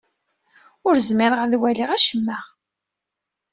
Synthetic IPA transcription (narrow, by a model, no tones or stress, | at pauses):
ʊɾzmɪɾʁəðwæliʁæʃəmːæ